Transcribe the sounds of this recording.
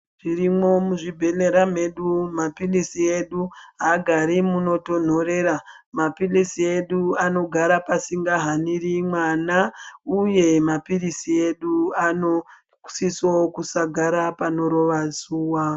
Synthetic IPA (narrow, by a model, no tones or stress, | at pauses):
ʐ̥irimo̞muʐibʱe̞ne̞ɾame̞ɗumapilisie̞ɗuɦaɡʱaɾimuno̞to̞n̤o̞ɾe̞ɾa | mapilisie̞ɗuano̞ɡʱaɾapasiŋɡaɦanirimwanauje̞mapirisie̞ɗuano | sisokusaɡʱaɾapano̞ɾo̞ʋasuːwa